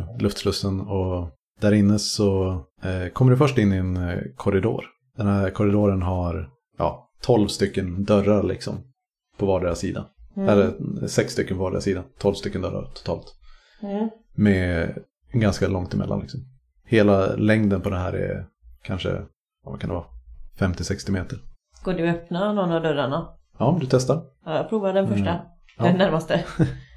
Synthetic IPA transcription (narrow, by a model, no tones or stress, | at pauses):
lɵft̪flɾɵst̪ənɔ | d̪̥æɾɪnːəsɔ | kʰɔmːəɖɛfœʂʈɪnːɪɛnkʰɔɾɪd̪o̰ːɾ | d̪̥ɛnhæɾkʰɔɾɪd̪oːɾənɦaɾ | jɑ̰ː | t̪ʰɔlvst̪ʏkːənd̪œɾaɾlɪ̰ksɔ̰m | pʰɔvɑːɖeɾasiːd̪a̰d̪æːɾɛsɛksːt̪ʏkːənpʰɔvɑːɖḛɾasiːd̪ant̪ʰɔlvst̪ʏkːənd̪œ̰ɾa̰ɾt̪ʰʊ̥t̪ʰɑ̰ːlt̪ | mɛ | ɡanskalɔŋt̪ɪmɛ̰lːa̰nlɪksɔm | heːlalɛŋd̪ənpʰɔd̪ɛnɦæːɾɛ̰ | kʰanʂə̰ | vakʰand̪ɛvɑːfɛmt̪ɪsɛkst̪ɪmeːt̪əɾ | ɡ̥oːɖɵœpnanɔnad̪œɾaɳa | ɑːd̪ɵt̪ʰɛst̪aɾ | ɑjapʰɾuːvad̪ɛnfœʂʈa | dɛnæɾmast̪ə